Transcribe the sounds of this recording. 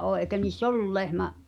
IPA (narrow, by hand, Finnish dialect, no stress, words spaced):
ʔoː ʔeˑikæ niːsː olːul lehmæʔ